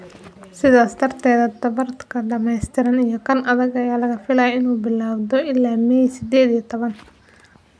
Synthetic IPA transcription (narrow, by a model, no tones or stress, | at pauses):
sɪðaːst̪ʰɐrt̪ʰɛːðɐt̪ɐβɐrt̪kʰɐɖɐmɛjst̪ʰɪɾɐnijɔkʰɐnɐðɐɣɐjaːlɐɣɐfɪlaːjɐɪnuːbɪlːaːwd̪ɔʔɪlːaːmɛjsɪd̪ɛːd̪ijɐt̪ʰɔβɐn